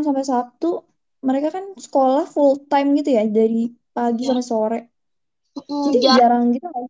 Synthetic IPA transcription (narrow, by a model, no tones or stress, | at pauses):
sampesat̪u | məɾekakansə̥kolahfult̪ajmɡit̪ujadaɾi | paɡis̬ampɛsoɾɛʔ | d͡ʒadikad͡ʒaɾaŋɡit̪ua